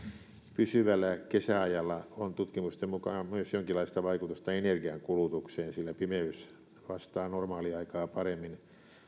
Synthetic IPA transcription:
pysyʋælːækesæɑjɑlːɑont̪ut̪kimust̪emmukɑːmyøsjoŋkilːˑɑist̪ɑʋɑikut̪ust̪ɑenerɡiɑŋkulut̪ukseːnsilːæpimeys | ʋɑst̪ɑːnormɑːliɑikɑːpɑremːin

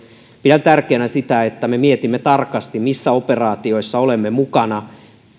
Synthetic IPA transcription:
pidænt̪ærkeːnæsit̪æet̪ːæmemiet̪imːet̪ɑrkɑst̪immisːæoperɑːt̪io̞isːɑolemːemukɑnɑ

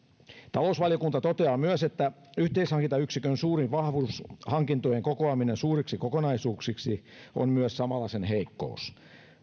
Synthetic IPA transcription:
t̪ɑlousʋɑljokunt̪ɑt̪ot̪eɑːmyøset̪ːæ | yht̪eishɑŋkint̪ɑyksikønsuːriʋʋɑhʋuːshɑŋkint̪ojeŋkokoɑminensuːriksikokonɑisuːksiksi | o̰nmyøssɑmɑlːɑsenheikːo̰us

